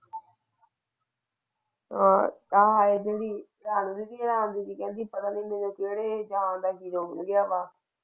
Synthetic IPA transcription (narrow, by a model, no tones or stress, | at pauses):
ɦãːt̪aːɦaːeːd͡ʒeːɽiː | ɾaːnũːd̪iːd̪iːɾãːnd̪iːkiːkɛ̃ːnd̪iːpət̪aːniːmẽːnõːkeːɽeːd͡ʒaːnd̪aːɡiːɾoːɡɪjaːbaː